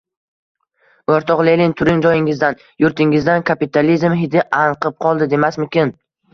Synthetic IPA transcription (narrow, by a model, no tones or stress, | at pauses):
oɾt̪ʰɒqlelɪŋt̪ʰʊɾɪŋd͡ʒɒjɪŋɪzd̪an | jʊɾt̪ʰɪŋɪzd̪ankʰapit̪ʰalizmɦɪd̪ɪʔaɴqʰɨp̚qʰɒlˠd̪ɪd̪e̞masmʊkʲɪn